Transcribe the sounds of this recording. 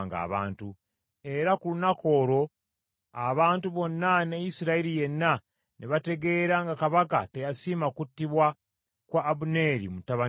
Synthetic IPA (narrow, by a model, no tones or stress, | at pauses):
ŋɡa̰ːβa̰ːntu | e̞ɾakulunako̞ːɾo̞ | aβaːntuβo̞nːanejisiɾaiɾije̞nːa | niβate̞ɡe̞ːɾaŋɡakaβakatejasiːmakutːiβwa | kwaːβune̞ɾḭmutaβa